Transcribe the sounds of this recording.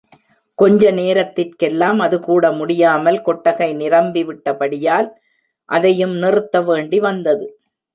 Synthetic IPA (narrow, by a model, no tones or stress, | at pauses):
kɔɲd͡ʒɐneːɾɐt̪ːɪrkɛlːaːmɐðɯkuːɽɐmʊɽɪjaːmɐlkɔʈːɐɣɐɪnɪrɐmbiʋɪʈːɐpɐɽɪjaːl | ʔɐðɐjɯmnɪrɯt̪ːɐʋeːɳɖiʋɐnd̪ɐðɯ